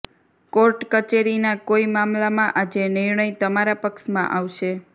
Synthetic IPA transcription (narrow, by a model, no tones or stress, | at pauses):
koɾʈkət͡ʃeɾinakoimamlamãʔad͡ʒenɪɾɳəjt̪əmaɾapəkʃmãʔaʋʃe